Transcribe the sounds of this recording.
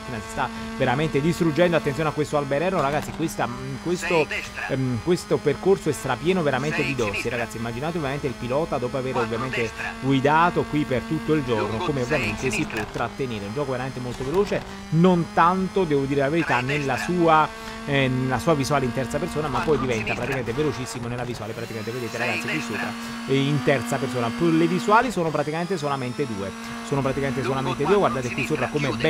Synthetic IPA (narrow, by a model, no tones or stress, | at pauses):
t̪iːnasi̥st̪aveɾament̪ed̪ist̪ɾud͡ʒːɛnd̪oat̪ːenjoːneakwest̪oalbeɾɛnːoɾaɡat̪sːikwest̪akwest̪o | kwest̪operkorsoɛst̪ɾapːjɛːnoveɾament̪ed̪id̪ɔsiɾaɡat̪simːad͡ʒinaːt̪eovjament̪eilpilɔːt̪ad̪ɔːpoaveːɾovːjament̪eɡwid̪aːt̪okwipert̪ut̪ːoild͡ʒornokomeovːjament̪esipwɔt̪ːɾat̪ːeneːɾeund͡ʒɔːkoveɾament̪emolt̪oveloːt͡ʃe | nont̪ant̪od̪ɛːvod̪iːɾelaveɾit̪anːelːasuːa | nelasuːavizuaːleint̪ɛrt̪sapertsoːnamapːɔjd̪ivɛnt̪apɾat̪ikament̪evelot͡ʃisːimonelːavisuwaːlepɾat̪ikameneved̪eːt̪eɾaɡat̪sikwisːoːpɾa | int̪ɛrt̪sapersoːnaplevizwaːlisoːnopɾat̪ikament̪es̬olament̪ed̪uːe | soːnopɾat̪ikament̪̬esolament̪ed̪uːeɡward̪aːt̪ekwisːoːpɾakomeb